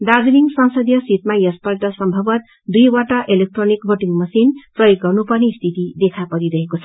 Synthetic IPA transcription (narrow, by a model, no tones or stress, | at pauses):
ɖad͡ziniŋsʌnsʌd̪jʌsit̪majʌspʌlʈʌsʌmbʱʌbʌt̪ | d̪ujwaʈʌʔelek̚ʈronikbʱoʈiŋmʌsinprʌjoɡːʌrnupʌrnest̪ʰit̪id̪ekʰapʌɾiɾʌɦekot͡sʰʌ